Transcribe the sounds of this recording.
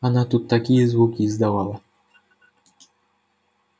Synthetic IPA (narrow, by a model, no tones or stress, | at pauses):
anat̪ut̪ːakʲijɛzvukʲizd̪avawa